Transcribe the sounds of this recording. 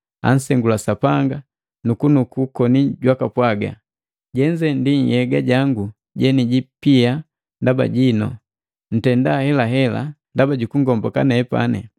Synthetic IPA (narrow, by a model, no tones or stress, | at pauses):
a̰n̩sɛŋɡulasapaŋɡa | nukunukukɔniɟwakapwaɡa̰ | ɟɛɲd͡ʒɛndiɲjɛɡaɟaŋɡu | ɟɛniɟipia | ndaba̰ɟinɔ | n̩tɛndahɛlaɦɛla̰ndabaɟukuŋɡɔmbɔkanɛːpa̰nɛ